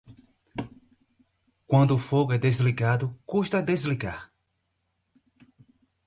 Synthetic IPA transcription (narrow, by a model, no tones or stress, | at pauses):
kwɐ̃nd̪ʊːfoɡʊɛd̪ezliɡad̪ʊkuʃt̪ɐd̪ezliɡaɾ